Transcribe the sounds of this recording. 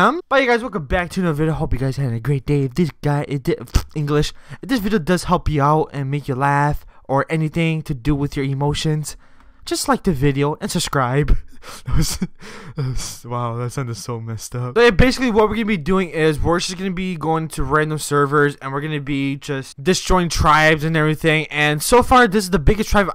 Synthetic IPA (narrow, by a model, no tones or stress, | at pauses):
ʌ̃mb̥ajɨɡaɪzwɨlˠkʌbæk̚tʰɨnovɪɾiʊɦoʊpjɨɡaɪz̥æɾɪ̃ŋɨɡɹeɪt̚d̥eɪɨðɪsɡ̥aɪʔɪdɪɪ̃ŋɡlɪʃðɪsvɪɾioʊdʌz̥hɛlˠpjɨaʊɾɨ̃nmeɪkjə˞læfʔə˞ʔɛniθɪ̃ŋtʰɨdɨwɨðjə˞ɨmoʊʃɨ̃nz̥ | d̥ʒ̥ʌstlaɪk̚ðɨvɪɾioʊʔɨ̃nsɨb̥skɹaɪbðɨt̚wʌz̥ɨt̚wz̥waʊðætsãʊ̃ndɨ̥soʊmɪstʌp̚jbeɪsɨklˠiwʌt̚wəɹɡʌ̃nɨbidʉɪ̃ŋɪzwɪɹd͡ʒʌsɡ̥ʌnɨbiɡoʊɪ̃ŋtʰɨɹæ̃ndə̃msɜ˞və˞zɨ̃nwɨɹɡʌnɨbid͡ʒʌstd̥ɨstɹ̥ɔɪɪ̃ŋtʰɹ̥aɪbzɨ̃nɛvɹiθɪ̃ŋɨ̃nsoʊfɑɹðɪsɨzðəbɪɡɨstʰɹ̥aɪv